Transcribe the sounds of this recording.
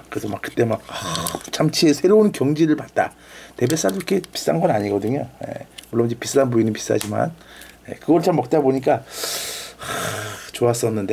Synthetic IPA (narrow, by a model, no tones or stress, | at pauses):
kɯɾesʰʌmak͈ɯ̥t͈e̞mak̚t͡ɕʰamt͡ɕʰiesʰe̞ɾounkjʌŋd͡ʑiɾɯɭpat̚t͈a̰ | te̞be̞s͈aduikʰe̞pi̥s͈a̰nɡʌnaɲiɡʌdɯɲo̰je̞̰muɭːonid͡ʑepis͈anpuinɯnpi̥s͈a̰d͡ʑima̰nje̞̰kɯɡʌɯɭt͡ɕamːʌk̚t͈aboɲik̬͈a | t͡ɕoas͈ʌnːɯnde̞